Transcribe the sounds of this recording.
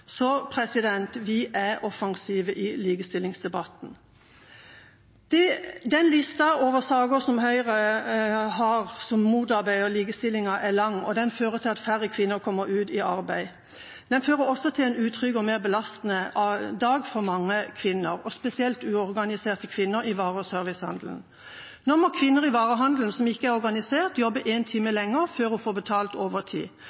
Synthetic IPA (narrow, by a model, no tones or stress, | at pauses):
sɔpʰɾɛsɪd̪ɛnt̪ʋɪʔæɾɔfɑŋsiːʋəʔɪliːɡəst̪ɪlɪŋsd̪ɛbɑt̪n̩ | d̪̥ɛd̪ɛnlɪst̪ɑoːʋəsɑːɡəsɔmhœʏʁə | ɦɑʁsɔmːuːd̪ɑɾbæɪɔliːɡəst̪ɪlːɪŋɑʔɛlɑŋːɔd̪ɛnføːɾət̪ʰɪlɑt̪fæɾəkʰʋɪnːəɾkʰɔmːəɾʉːd̪ɪɑɾbæɪ | d̪ɛnføːʁəɾɔsːɔt̪ʰɪlɛnʉːt̪ʰʁʏɡɔmeːʁbəlɑst̪nəʔɑd̪ɑːɡfɔʁmɑŋːəkʰʋɪnəʁɔspɛsɪɛlt̪ʉːɔʁɡɑnɪseːʁt̪əkʰʋɪnːəɾɪʋɑːʁəsøːɾʋɪshɑ̰nd̪ln̩ | nɔmɔkʰʋɪnːəʁɪʋɑːʁəɦɑnd̪ln̩sɔmɪkːəæʁɔɾɡɑnɪseːʁt̪jɔbːəʔeːnt̪ʰiːməlɛŋːəɾføːɾɔfoːbət̪ʰɑːlt̪oːʋət̪ʰḭː